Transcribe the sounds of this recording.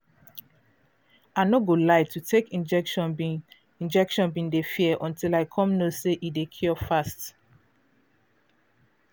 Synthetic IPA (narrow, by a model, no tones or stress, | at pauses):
aɪnoɡolaɪtʰutʰekĩd͡ʒ | ĩnd͡ʒɛkʃɔ̃nbĩndefiɛʔɔ̃ntilaɪkʰɔ̃mnoseʔidekʰjɔfast